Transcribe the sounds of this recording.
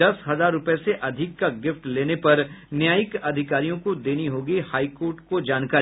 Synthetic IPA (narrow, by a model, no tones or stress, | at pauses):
ɐsɦɐzaːɾːʊpɛseʔɐd̪ʱɪkːaɡɪfʈleːnepɐɾnjaːjɪkɐd̪ʱɪkaːɾijõkod̪eːniɦoːɡihaːikoːɾʈkod͡ʒaːnkaː